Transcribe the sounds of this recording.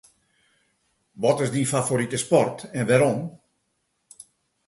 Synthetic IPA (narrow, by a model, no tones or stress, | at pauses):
ʋɔtɪsdifafoɾitəspɔrtɛnʋɛɾɔm